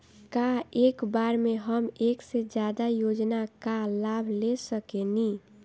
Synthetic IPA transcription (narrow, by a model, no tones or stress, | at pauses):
kaekbaɾmeɦəmeksed͡ʒjad̪ajod͡ʒnakalabʱlesəkeni